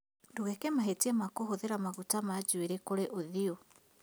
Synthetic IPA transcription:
ndoɣɛkɛmaɦetiɛmakohoðeɾamaɣutamad͡ʒueɾekoɾeʔoðio

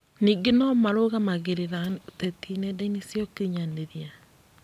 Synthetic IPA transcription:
niːɡenɔmaɾoɣamaɣeɾeɾatɛtinɛdainisjɔkiɲaneɾia

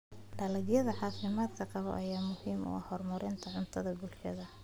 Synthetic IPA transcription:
ɖ̥ɐlɐɡjɐðɐħɑːfɪmaːd̪kʰɐqɑβɔ̰ʔɐjaːmʊhiːmʊ̰ɑ̰hɔrmɐɾɪnt̪ʰɐʕʊnt̪ʰɐðɐbʊlʃɐ̰ðɐ

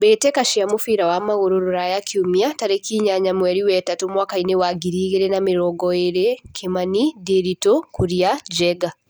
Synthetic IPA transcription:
bɛtɛkaʃiamofiɾawamaɣoɾoɾoɾajakʰiumiataɾekiɲaɲamwɛɾiwɛtatumwakainewaɡiɾiːɣeɾɛnameɾɔɡɔeɾekʰemanideɾitokʰuɾiad͡ʒɛɡa

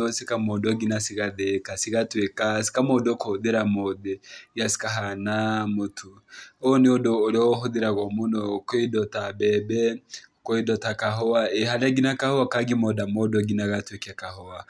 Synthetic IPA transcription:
osikamoːndoɡinasiɣaðekasiɣatwekasi̥kamodokohoðeɾamoðejasi̥kaɦanamotʰu | oneodoːɾɔɦoðeɾaɣɔmonɔkoedɔtabɛbɛokoedɔtakaɦɔaehalaɡinakahowakaɡimodamodoɡinaɣatwekɛkahɔwa

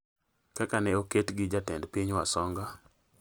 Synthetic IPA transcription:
kakanɛoketɡɪd͡ʒatɛndpiɲwasɔŋɡa

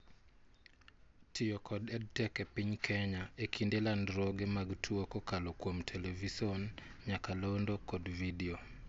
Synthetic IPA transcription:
tʰɪjɔkɔdɛd̚tɛkepiɲkʰɛɲaekindelandɾɔɡɛmaɡtʰwokokalɔkwomtʰɛlɛvisɔnɲakalondokɔdvidio

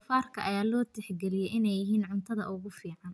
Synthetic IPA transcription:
faːrkʰɐʔɐjaːlɔːt̪ʰɪħɡɛlɪjɛjʔɪnɛjɪɦiːnʕʊnt̪ʰɐðɐʔʊɣʊfiːʕɑn

